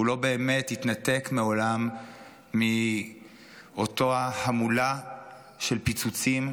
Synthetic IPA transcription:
ulo̞be̞ːme̞thitnate̞kmeo̞lamː | i | o̞to̞ahamula | ʃelpit͡sut͡sim

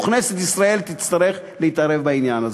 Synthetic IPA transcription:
χneset̪̬isʁaelt̪it̪t͡st̪aʁeχleit̪aʁevbainjanaz

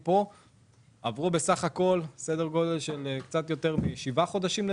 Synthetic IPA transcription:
po̞ | avʁube̞saχako̞lsed̪eʁɡo̞d̪e̞lʃelkt͡sat̪jo̞t̪e̞ʁmiʃivaχo̞d̪aʃimle

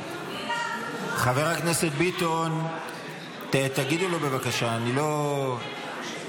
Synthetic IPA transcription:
χaveʁakneset̪̚bit̪on | t̪et̪aɡid̪ulo̞be̞vakaʃaːnilo̞

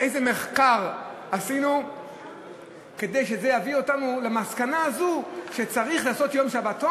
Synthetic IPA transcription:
ʔejze̞me̞χkaʁasinu | ke̞d̪e̞jʃe̞ze̞javio̞tanulamaskanaːzuʃe̞t͡saʁiχlaːso̞t̪jo̞mʃabato

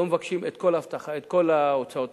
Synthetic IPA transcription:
omevakʃimet̪ko̞laaft̪aχaet̪ko̞laot͡sao̞t̪

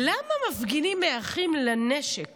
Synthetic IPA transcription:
lamamafɡinimːeaχimlaneʃek

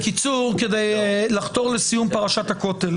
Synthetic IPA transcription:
kit͡suʁked̪ejlaχt̪o̞ʁlesijumpaʁaʃat̪hako̞t̪el

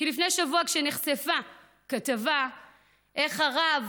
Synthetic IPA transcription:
kilifnejʃavuakʃeneχsefa | kat̪ava | ʔe̞χhaʁav

